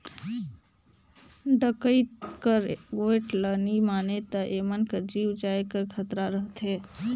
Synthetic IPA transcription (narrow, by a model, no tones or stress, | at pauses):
ɖəkəit̪kəɾɡoeʈlənimaːnet̪əʔemənkəɾd͡ʒiwd͡ʒaekəɾkʰət̪ɾaɾəɦt̪ʰɦe